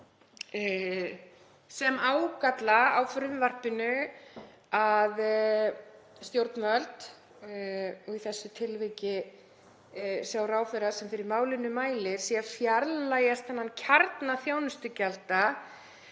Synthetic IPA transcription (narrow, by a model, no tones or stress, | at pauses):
sɛmaːwkat̪laawfɾʏmvar̥pɪnʏ | að | st̪jowɾt̪nmœlt̪ | ɔiθɛsːʏt̪ʰɪlvicɪ | sjawɾaːwfɛjɾasɛmfɪɾɪɾmaːwlɪnʏmaːjlɪɾ̥sɛafjaɾllajast̪hanːanːcʰaɾt̪naθjaːwnʏst̪ʏcɛlt̪a